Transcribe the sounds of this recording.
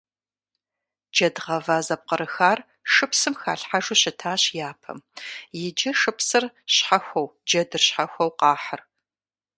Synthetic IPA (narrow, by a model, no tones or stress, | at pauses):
d͡ʒɐdʁɐvaːzɐp̚qəɾɨxaːr | ʂɨpsɨmxa̰ːɬħaʒuɕɪtʰaːɕjaːpʰɐ̰mjɪd͡ʒɪʂɨpsɨrɕħaxʷɐwd͡ʒɐdɨrɕħaxʷɐwqɑːħər